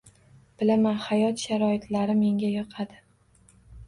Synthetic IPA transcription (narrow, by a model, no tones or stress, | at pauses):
b̥ɪlamanhajɒt̪ʃaɾɒɪt̪laɾɪme̞ŋɡʲajɒqʰɑd̪ɪ